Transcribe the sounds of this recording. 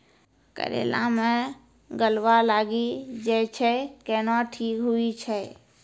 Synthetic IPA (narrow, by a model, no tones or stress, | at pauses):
kə̰ɾḛlãmẽ | ɡəlwalaɡid͡ʒɛt͡ʃʰɛkɛnɔʈʰiːkɦuit͡ʃʰɛ